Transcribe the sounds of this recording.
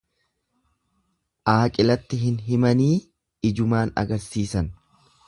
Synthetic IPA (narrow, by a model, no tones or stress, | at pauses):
ʔaːkʼɪlɐt̪ːɪɦɪnɦɪmɐniː | ɪd͡ʒʊmaːnɐ̰ɡɐɾsiːsɐn